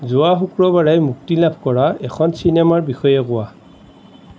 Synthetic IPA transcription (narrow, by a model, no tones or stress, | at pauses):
zʊwaxukɹɔbaɹajmuktilabʱkɔɹaɛkʰɔnsinɛmaɹbixɔjɛkʊwa